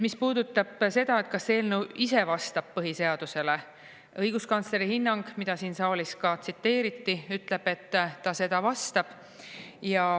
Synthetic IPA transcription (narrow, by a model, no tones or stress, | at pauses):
mispuːd̪ut̪ːˑɑb̥se̞d̪̥ɑe̞t̪kɑsːeːlnuwʔise̞vɑst̪ɑb̥̚pɤɦise̞ɑd̪̥use̞le | ɤjɡ̥uskɑnsle̞ɾihinːɑŋɡ̥mid̪̥ɑsiːnsɑːliskɑt̪sit̪ːe̞ːɾit̪ːiyt̪ːˑle̞b̥e̞t̪ːɑse̞d̪̥ɑvɑst̪ɑb̥ | jɑ